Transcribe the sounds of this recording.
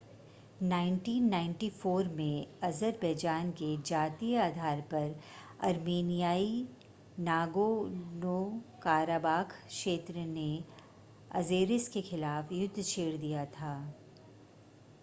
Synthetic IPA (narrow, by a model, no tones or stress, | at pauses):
naːɪ̃ɳʈiːnːãːɪ̃ɳʈifoːɾmẽɐzəɾbɐːd͡ʒaːnked͡ʒaːt̪ijaːd̪ʱaːɾpɐɾ | ɐ̰ɾmeːnijaːi | naːɡonoːkaːɾaːbaːkʰʃeːt̪ɾəne | ɐ̰zeːɾɪskexɪlaːfjʊd̪ʱːt͡ʃʰeːɽd̪ijat̪ʰaː